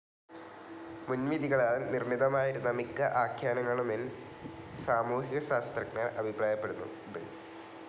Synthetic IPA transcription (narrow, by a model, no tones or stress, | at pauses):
munʋid̪iɣɐɭaːɭnirɳiðɐmaːjiɾunːɐmikːɐʔaːkʰjaːnɐŋːɐɭumil | saːmuːɦiɣɐɕaːst̪rɐknɐrɐbʱipraːjɐpːe̞ɽunːṵ | dɨ̰